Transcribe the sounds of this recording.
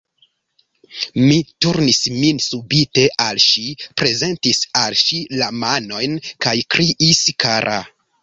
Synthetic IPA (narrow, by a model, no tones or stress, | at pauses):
mituɾnisminsubite̞ʔalʃipɾe̞ze̞ntisalʃilamano̞jnkajkɾiʔiskaɾʔa̰